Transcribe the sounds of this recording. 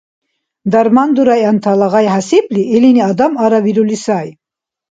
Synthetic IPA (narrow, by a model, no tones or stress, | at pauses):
d̪aɾmand̪uɾajant̪ʰalaʁajɦasipliʔɛliniad̪amaɾaviɾulisaj